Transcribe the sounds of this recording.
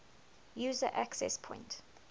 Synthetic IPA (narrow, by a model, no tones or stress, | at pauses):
juːzə̰ʔaksɛ̰spʰɔ̃ɪ̃nt